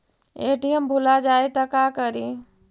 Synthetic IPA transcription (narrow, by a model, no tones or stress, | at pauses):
eʈiembʱulad͡ʒajt̪əkakəɾi